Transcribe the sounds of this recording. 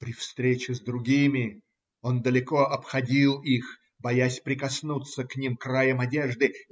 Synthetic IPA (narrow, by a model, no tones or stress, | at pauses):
pɾʲɪfst̪ɾʲet͡ɕɪzd̪ɾʊɡʲimʲɪ | o̞nd̪əlʲɪko̞ɐpxɐdʲilˠix | bɐjasʲpɾʲɪkɐsnut̪səknʲimkrajəmɐdʲe̞ʐd̪ɨ